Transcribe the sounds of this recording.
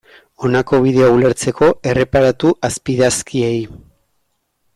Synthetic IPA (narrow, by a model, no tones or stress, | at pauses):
o̞nako̞β̞iðe̞oule̞ɾt͡se̞ko̞e̞re̞paɾat̪uʔaspiðaskie̞j